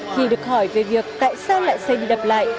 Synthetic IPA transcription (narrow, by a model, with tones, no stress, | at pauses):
xi˧ɗɨ˨˩ək̚hɔ˧˩jve˨˩vi˨˩ək̚t̪a̰ː˧˨jsaː˧wla̰ː˧˨jsɛ˧jɗi˧ɗə˨˩p̚la̰ː˧˨jʔ